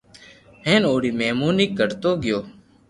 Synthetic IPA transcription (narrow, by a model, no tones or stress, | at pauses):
ɦẽːnoːɽiːmeːmuːniːkəɾt̪oːɡɪjoː